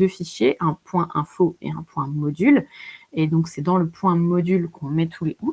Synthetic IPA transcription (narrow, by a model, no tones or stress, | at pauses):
øfiʃjeʔɛ̃pwɛ̃ʔɛ̃foḛɛ̰̃pwɛ̃mɔd̪yled̪ɔ̃ksɛd̪ɑ̃ləpwɛ̃mɔd̪ylkʰɔ̃mɛt̪ʰuleu